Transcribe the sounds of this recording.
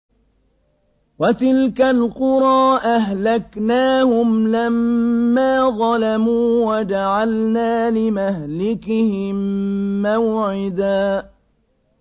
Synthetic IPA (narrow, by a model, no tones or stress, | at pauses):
wat̪ɪlkalqʊɾˤɑːʔaɦlaknaːhʊmlamːaːðˤɑlamuːwad͡ʒaʕalnaːlɪmahlɪkɪhɪmːawʕɪd̪aː